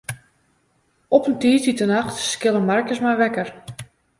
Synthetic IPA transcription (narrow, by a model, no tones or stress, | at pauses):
ɔpəntiːtitənaxtskɪlˠəmarkəsmajʋɛkər